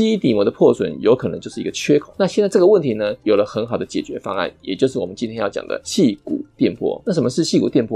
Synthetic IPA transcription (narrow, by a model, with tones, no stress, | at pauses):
i˥i˥t̪i˨˩mwɔ˧˦d̪ə˧pʰwɔ˥˩swə̰˨˩˦njo˧˥ʊkʰɤ˨nə̰˧˦ŋt͡ɕjo˥˧ʊʂ̩˥˩i˧ɡ̥ə˧t͡ɕʰɥɛ˥kʰo˨˩˦na˥˧ɕjɛ˥˧nt͡sa˥ɪʈ͡ʂɤ˥˩ɡə˧wə˥˨nt̪ʰi˧˥˦nə˧jo˨˩ʊlə˦xə˧˦˥nxɑ˨˩ʊd̪ə˦t͡ɕjɛ̰˨˩t͡ɕɥɛ˧˥fɑ̰˥ŋa̰˥˩njɛ̰˨˩t͡ɕjo˥˧ʊʂɻ̩˥˩wɔ˨˩ə˦nt͡ɕi˥nt̪ʰjɛ˥njɑ˥˩ʊt͡ɕjɑ̰˨˩ŋd̪ə̰˦ɕi˥˩kṵ˨˩˦t̪jɛ˥˨npʰwɔ̰˥na˥˩ʂ̬ə˧˩mə˧˦ʂɻ̩˥˧ɕi˥˩ku˨˩t̪jɛ˥˧npʰɔ˥